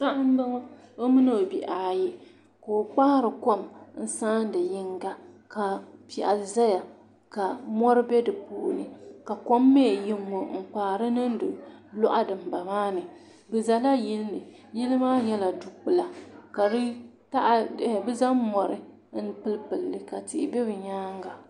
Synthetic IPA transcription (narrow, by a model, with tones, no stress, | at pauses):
sa˦ʔa˦m˦bɨ˦ŋ˦o˦mɨ˦no˨bi˨ʔaː˨ji˦ | ko˨o˨k͡pa˦hɾɨ˨ko˦˨mn̩˦saː˦n˦dɨ˨jɪ˦ŋɡa˦ | ka˨pi˨ʔa̰˨lza˦ja˨ | ka˨mɔ˦ɾɨ˦bɛ˦dɨ˨puː˦˨nɨ˨ka˨ko˦mːe˦˨ji˦ŋːo˨ŋ̩˨k͡paː˨ɾɨ˦nɨ˦n˦dɨ˨lɔ˦ʔa˦dɨ˨m˨ba˨maː˦nɨ˨ | bɨ˨za˦la˦ji˦lnɨ˨ | ji˦lɨ˦maː˦ɲɛ˦la˨du˨k͡pɨ˨la˨ka˨ɾ | ta˦ʔbɨ˦za˦mmɔ˨ɾɨ˨˦ | n̩˦pɨ˦lpɨ˨lːɨ˨ka˨tɪ˨ʔɪ˨bɛ˦bɨ˨ɲaː˦ŋ˦ɡa˨